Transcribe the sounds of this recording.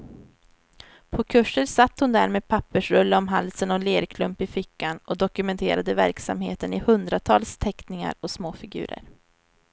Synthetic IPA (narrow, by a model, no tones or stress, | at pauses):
pʰɔkʰɵʂːəɾsat̪ːhʊnd̪æ̰ɾmeːd̪̚pʰapːəʂɾɵlːəɔmɦalsənɔleːɾkʰlɵmpɪfɪkːanɔd̪ɔkɵmɛnt̪ʰeːɾad̪əvæ̰ɾksa̰mheːt̪ənɪhɵnd̪ɾat̪ʰɑːlst̪ʰɛknɪŋa̰ɾɔsmoːfɪɡʉ̟̰ːɾə̰ɾ